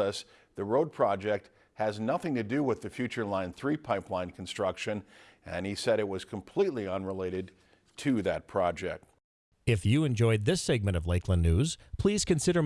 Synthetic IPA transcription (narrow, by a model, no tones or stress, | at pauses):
əs | ðɨɹoʊd̚pʰɹ̥ɑd͡ʒɛk̚t̚ | hɨznʌθɪ̃ŋtɨdɨwɪðɨfjʉt͡ʃə˞lãɪ̃nθɹipʰaɪplãɪ̃nkʰn̩stɹ̥ʌkʃɨ̃nɨ̃nisɛɾɨt̚wʌz̥kʰə̃m̩pʰl̥itˡliə̃nɹəleɪɾɨd̚ | tʰɨðɨt̚pʰɹ̥ɑd͡ʒɛ̰k̚t̚ | ɪfjɨɨ̃nd͡ʒɔɪd̪̚ðɪsɛɡ̚mɨ̃ɾ̃ʌvleɪkʰlə̃nːʉz̥pʰl̥iz̥kɨ̃nsɪɾə˞